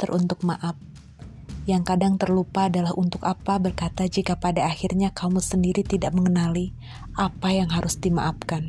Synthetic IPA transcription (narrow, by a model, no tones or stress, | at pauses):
t̪ərʔunt̪ʊk̚maʔap̚ | jaŋkadaŋt̪ərlupaːdalahunt̪ʊkapabərkat̪ad͡ʒikapadaːxirɲakʰamusəndiɾit̪idaʔ̚məŋənali | ʔapajaŋɦaɾʊsdimaʔap̚kan